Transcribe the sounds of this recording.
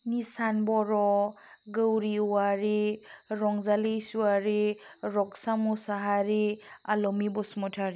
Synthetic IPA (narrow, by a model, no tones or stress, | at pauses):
nisanbɔɾɔɡəwɾiwaɾiɾɔŋzalesuaɾiɾɔksamusaɦaɾialɔmibɔsmɔtʰaɾi